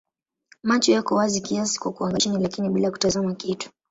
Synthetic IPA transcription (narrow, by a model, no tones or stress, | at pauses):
mat͡ʃɔjakɔwazikiasi̥kwakuaŋɡat͡ʃinilakiniɓilaku̥tazamakitu̥